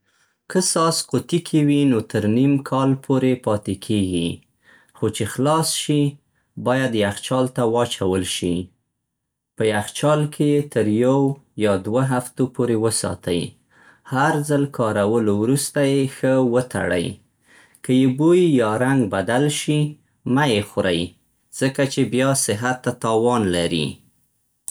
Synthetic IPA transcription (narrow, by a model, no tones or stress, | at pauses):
kəsɑsqot̪ikʰewinot̪əɾnimkʰɑlpʰoɾepɑt̪ekʰeɡḭ | xot͡ʃexlɑsʃi | bɑjad̪jaxt͡ʃɑlt̪awɑt͡ʃawəlʃi | pəjaxt͡ʃɑlkʰejet̪əɾjawjɑd̪waɦaft̪opoɾewəsɑ̰t̪aj | haɾzalkʰɑɾawəlowɾust̪ajexəwət̪a̰ɽa̰j | kəjebojjɑɾaŋɡbad̪alʃi | majexʊɾaj | z̥əkat͡ʃebjɑsɪɦat̪ːat̪ɑwɑnlaɾḭ